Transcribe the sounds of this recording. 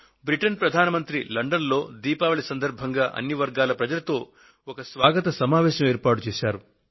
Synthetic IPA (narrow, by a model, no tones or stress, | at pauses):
bɾiʈɐnpɾɐd̪ʱaːnɐmɐnt̪ɾilɐɳɖɐnlo̞ːd̪iːpaːʋɐɭisɐnd̪ɐɾbʱɐŋɡaːʔɐ̰nːiʋɐɾɡaːlɐpɾɐd͡ʒɐlɐt̪o̞ː | ɔkɐsʋaːɡɐt̪ɐsɐmaːʋɛːɕɐmeːɾpaːʈut͡ʃeːʃaːɾu